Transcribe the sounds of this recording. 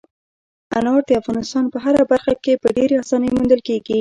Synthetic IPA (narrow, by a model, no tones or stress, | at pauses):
a̰nɑɾd̪əafɣɑnɪst̪ɑnpəɦaɾabaɾxakepəɖeɾeɑsɑnəjmund̪əlkeɡi